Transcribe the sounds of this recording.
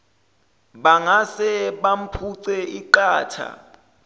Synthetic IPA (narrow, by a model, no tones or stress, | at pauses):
ɓaŋasɛɓam̩pʰuǀɛiǃaːtʰa̰